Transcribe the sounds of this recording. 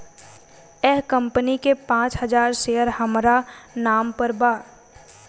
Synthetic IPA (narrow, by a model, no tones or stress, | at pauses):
ɛɦkə̃mpənikepãːt͡ʃɦɐzaːɾseːəɾhəmɾanaːmpəɾbaː